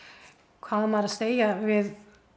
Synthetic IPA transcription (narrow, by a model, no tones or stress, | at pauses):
kʰvaːðmaɾaðseːjavɪð